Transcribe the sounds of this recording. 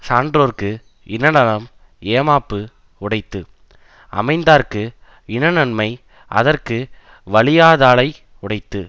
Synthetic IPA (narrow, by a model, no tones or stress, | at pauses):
saːɳɖɾoːrkɯ | ɪnɐnɐɭɐm | eːmaːpːɯ | ʊɽɐɪt̪ːɯ | ʔɐ̰mɐɪnd̪aːɾkɯ | ɪnɐnɐnmɐɪ | ʔɐ̰ðɐrkɯ | ʋɐɭɪjaːðaːɭɐɪ | ʊɽɐɪt̪ːɯ